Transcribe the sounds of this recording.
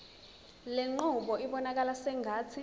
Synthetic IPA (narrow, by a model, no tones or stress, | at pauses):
leŋ͡ǃuɓɔiɓɔnak̬alasɛŋʱaːt͡sʰi